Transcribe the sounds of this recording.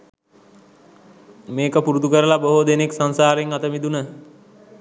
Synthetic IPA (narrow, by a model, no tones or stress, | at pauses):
meːkəpuɾud̪ukəɾəlaboɦod̪eneksansaːɾeŋat̪əmid̪unə